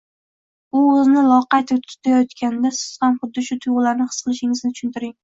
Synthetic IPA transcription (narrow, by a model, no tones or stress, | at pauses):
ʊʊznɪlˠɒqɑjt̪ʰɪt̪ʰʊ̥t̪ʰajɒt̪kʲand̪asɪ̥z̥hamχʊd̪ːɪʃʊt̪ʰʊjʁlaɾnɪχɨ̥sqɨlˠɪʃɪŋɪznɪt͡ʃʰʊ̥ʃʊnt̪ɪɾɪŋ